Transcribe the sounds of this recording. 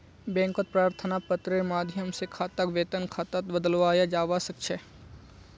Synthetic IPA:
bɛ̃ːŋkot̪̚pɾaːɾt̪ʰənapət̪ɾəmaːd̪ʱjəmsekʰaːt̪akʋeːt̪ənkʰaːt̪at̪bəd̪əlʋaːjad͡ʒaːʋasəkʃʰɛ

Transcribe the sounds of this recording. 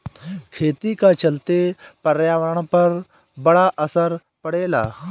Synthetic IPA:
kʰeːt̪ikat͡ʃəlt̪epəɾjaːʋəɾəɽ̃pɐɾ | bəɽaʔəsəɾ | pəɽeːla̰ː

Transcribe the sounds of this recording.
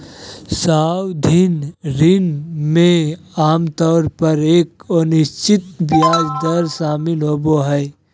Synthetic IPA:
saːwd̪ʱɪnɾɪnmẽ | aːmt̪ɔːɾpəɾeːkənɪʃt͡ʃɪt̪bjaːd͡ʒd̪əɾʃaːmɪlɦoːboɦɛː

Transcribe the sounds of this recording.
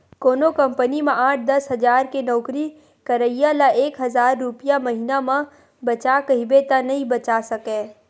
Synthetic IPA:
koːnokɐ̃mpənimãaːʈ̚ʰd̪ɐsɦɐzaːɾkenɔːkɾi | kɐɾəijalaʔeːkɦɐzaːɾːʊpijamɐɦiːnamã | bɐt͡ʃakɐɦibet̪anɐɦĩbɐt͡ʃasɐkẽː

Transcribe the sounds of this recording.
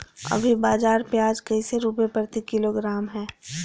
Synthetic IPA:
ɐ̰bʱibaːzaːɾpjaːd͡ʒkəiseɾuːp̬epɾət̪ikɪloːɡɾaːmɦɛː

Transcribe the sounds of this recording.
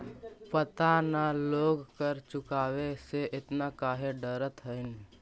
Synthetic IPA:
pət̪analoːɡkəɾt͡ʃʊkaːweseʔɪt̪nakaːɦeɖəɾət̪ɦəɪn

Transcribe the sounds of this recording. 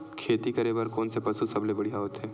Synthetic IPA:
kʰeːt̪ikɐɾebəɾkoːnsepɐsusɐblebɐɽijaɦoːt̪ɦɛː

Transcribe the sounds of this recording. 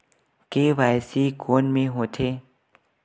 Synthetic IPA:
keʋajsiɡonmẽɦot̪ʰe

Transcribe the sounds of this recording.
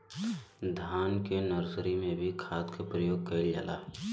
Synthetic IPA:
d̪ʱaːnkenəɾzəɾimẽbʱikʰaːt̪kepɾəjoːɡ̚kɐɪld͡ʒaːla̰ː

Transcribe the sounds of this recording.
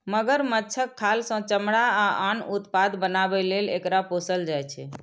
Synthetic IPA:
məɡəɾmətːt͡ʃʰəkʰːalsə̃t͡ʃəmɽaaanut̪pad̪bənabɛlelḛkɾaposəld͡ʒajt͡ʃʰɛ

